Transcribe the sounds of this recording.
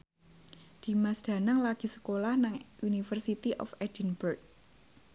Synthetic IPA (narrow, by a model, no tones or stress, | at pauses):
d̪̥i̤masd̪̥ä̤naŋlaɡ̥i̤sə̥kolahnaŋʔunifərsit̪iʔɔ̰fɛd̥inburt̚